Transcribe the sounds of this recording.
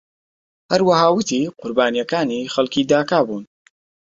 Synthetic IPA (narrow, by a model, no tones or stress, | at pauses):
hɐɾwɐhaːwɨt̪ʰiqʊɾbaːnijɐkaːnixɐlkiːd̪aːkaːbuːn